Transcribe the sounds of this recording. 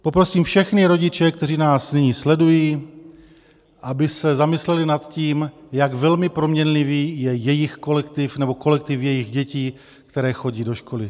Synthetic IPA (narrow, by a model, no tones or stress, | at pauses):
po̞pɾo̞siːmfʃɛxnɪɾo̞ɟɪt͡ʃɛkt̪ɛriːnaːsnɪɲiːslɛdujiː | ʔabɪsɛzamɪslɛlɪnat̪ciːmjaɡvɛlmɪpɾo̞mɲɛnliviːjɛjɛjɪxko̞lɛkt̪ɪfnɛbo̞ko̞lɛk̚t̪ɪfjɛjɪɣɟɛciː | kt̪ɛɾɛːxo̞ɟiːdo̞ʃko̞lɪ